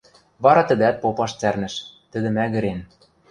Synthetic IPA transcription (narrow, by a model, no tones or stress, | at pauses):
βɑɾɑt̪ə̆d̪æt̪̚popɑʃt͡særnɘ̆ʃt̪ɘ̆d̪ɘ̆mæɣɘ̆ɾen